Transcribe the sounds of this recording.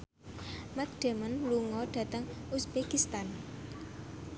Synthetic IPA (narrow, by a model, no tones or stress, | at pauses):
mat̪̚ɖ̥e̤mənluŋɔɖ̥ä̤t̪əŋusbekist̪an